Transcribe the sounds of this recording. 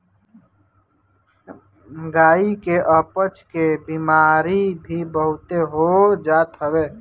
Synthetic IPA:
ɡaːikeʔəpət͡ʃkebiːmaːɾibʱibəɦʊt̪eɦod͡ʒaːt̪ɦəbeː

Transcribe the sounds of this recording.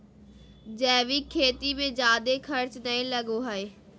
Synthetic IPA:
d͡ʒɛːʋiːkʰːeːt̪imẽːd͡ʒjaːd̪eːkʰəɾt͡ʃnəĩːləɡoːɦaeː

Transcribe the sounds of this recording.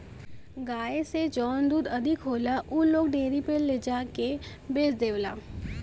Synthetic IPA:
ɡaːesed͡ʒɔːnd̪uːd̪ɐd̪ʱɪkɦoːlaʔuloːɡɖeːɾipeled͡ʒaːke | beːsd̪eːʋla̰ː

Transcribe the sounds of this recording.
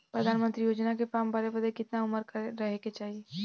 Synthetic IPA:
pɾɐd̪ʱaːnmə̃nt̪ɾijoːd͡ʒnakepaːmbəɾebəd̪ekɪt̪naʊməɾkɐːɐɦeket͡ʃaːɦie

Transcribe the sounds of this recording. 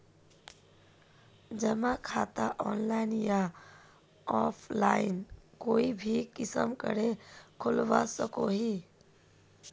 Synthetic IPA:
d͡ʒəmakʰat̪aʔɔnlaɪnja | ɔpʰlainkoːibʱikɪsə̰mkə̰ɽekʰʊlʋa̰səkoɦi

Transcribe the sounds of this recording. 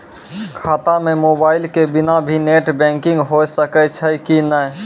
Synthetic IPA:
kʰaːt̪amẽmoːbaːɪlkebɪnabʱineːʈbɛ̃ːŋkɪ̃ŋɡɦosəkət͡ʃʰəkinə

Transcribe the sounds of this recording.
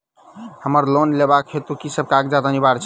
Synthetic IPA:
həməɾlonlebakɦet̪ukisəb̚kaɡd͡ʒad̪anibaɾt͡ʃʰ

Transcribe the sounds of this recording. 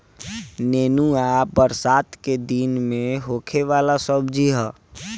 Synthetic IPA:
neːnuabəɾsaːt̪ked̪inmẽɦoːkʰeʋaːlasəbd͡ʒʱiɦɛː

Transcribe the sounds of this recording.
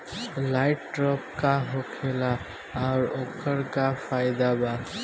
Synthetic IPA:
laɪʈʈɾɔp̚kaɦokʰela | aʊɾokəɾkapʰaɪd̪aba

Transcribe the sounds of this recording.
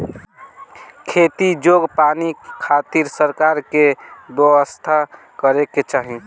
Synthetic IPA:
kʰet̪id͡ʒoɡpanikʰat̪iɾsəɾkaɾkebjəwəst̪ʰa | kəɾeket͡ʃaɦi

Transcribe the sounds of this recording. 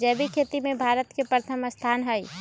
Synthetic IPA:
d͡ʒɛːbikʰeːt̪imẽbʱaːɾət̪kepɾət̪ʰəməst̪ʰaːnɦəi

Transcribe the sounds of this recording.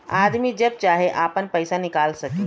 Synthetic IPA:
aːd̪mid͡ʒɐb̚t͡ʃaːɦeʔaːpənpɛːsanɪkaːlsɐkĩ

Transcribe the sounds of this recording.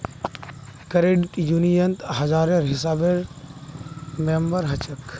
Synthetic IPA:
kɐɾeɖʈjunijɐnt̪ɦɐzaːɾeɾɦɪsaːbeɾ | membəɾɦɐt͡ʃɐk

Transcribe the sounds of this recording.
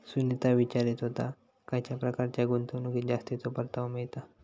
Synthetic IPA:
sunit̪aʋit͡ɕaɾit̪ɦot̪a | kajt͡ɕjapɾəkaɾt͡ɕjaɡunt̪ʰonuɡid͡ʑast̪it̪opəɾt̪aʋmiɭt̪a

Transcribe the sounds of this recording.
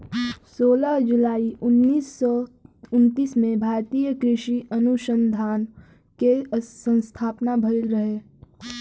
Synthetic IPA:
soːlaɦd͡ʒʊlaːiʔʊnːiːsɔʊnt̪iːsmẽbʱaːɾt̪iːjəkɾɪʃiʔɐnʊʃənd̪ʱaːn | kesə̃nst̪ʰaːpnabʱəɪlɾɐɦe

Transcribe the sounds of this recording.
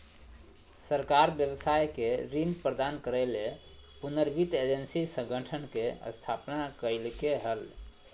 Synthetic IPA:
səɾkaɾbjəbəsajkeɾinpɾəd̪ankəɾəle | punəɾbit̪ed͡ʒənsisə̃ŋɡʱəʈʰənkeə̰st̪ʰapnakəɪlkeɦəl

